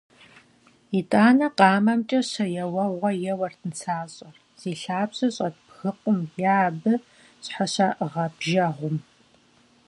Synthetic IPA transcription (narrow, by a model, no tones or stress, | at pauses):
itʼaːnɐqɑːmɐmt͡ʃʼɐɕɐjɛwɐʁʷɐjɛwɐrtʰɨnt͡sʰaːɕʼɐr | z̥iːɬaːbɕɐɕʼɐtbxɨqʷʼʊmjabɨ | ɕħaɕaːʔʁɐbʒɐʁʷʊm